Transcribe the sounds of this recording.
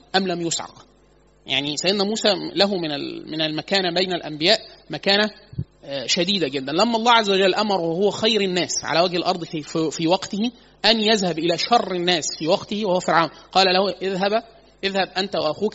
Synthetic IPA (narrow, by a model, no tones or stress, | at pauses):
ʔæmlæmjosʕɑ̰q | ja̰ʕnisæjed̪næmuːsæːlæɦumɪnæ̰lmɪnælmækæːnæbejnælʔæ̰mbɪjæːʔmækæːnæ | ʃæd̪iːd̪æɡed̪ːænlæmːæʔɑlˤːɑːʕazːæwæd͡ʒælːʔæmɑɾˤwhowæxɑjɾɪnːæːsʕa̰læwæɡhelʔɑɾˤd̪ˤfiːwɑɡt̪ɪhi | ʔænjæðhæbʔɪlæːʃɑrˤːɪnːæːsfiːwɑqt̪ɪhiwæhowæfeɾʕawnqɑːlælæhuʔeðɦæbæ | ʔeðhæb̚ʔænt̪æwaʔæxuːk